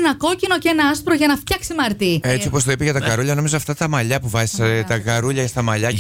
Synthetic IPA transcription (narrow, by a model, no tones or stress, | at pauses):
nɐko̞cino̞cenɐɐspɾo̞ʝɐnɐft̪çɐksimɐɾt̪iet͡sio̞post̪oipeʝɐt̪ɐkɐɾuʎɐno̞mizoɐft̪ɐt̪ɐmɐʎɐpuvɐzi̥sɐt̪ɐkɐɾuʎɐst̪ɐmɐʎɐ